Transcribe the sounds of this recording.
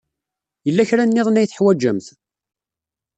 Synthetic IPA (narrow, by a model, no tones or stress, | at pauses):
jəlːæçɾænːɪðˤnæjθəħwæd͡ʒːəmθ